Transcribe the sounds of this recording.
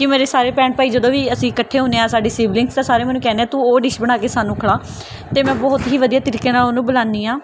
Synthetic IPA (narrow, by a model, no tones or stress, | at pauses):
kɪmeːɾeːsaːɾeːpɛ̃ːɳʈ̚paːiːd͡ʒəd̪õːʋiːəsĩːɪkəʈʰːeːɦõːneːãːsaːɖeːsiːblɪ̃ŋɡst̪ãːsaːɾeːmɛːnũːkɛːneːaːt̪uːoːɖɪʃbəɽ̃aːkeːsaːnũːkʰəɽaː | t̪eːmɛ̃ːbɔːʊt̪ɦiːʋəd̪ijaːt̪ɪɾɪkeːnaːloːnũːbəlãːnd̪iːaː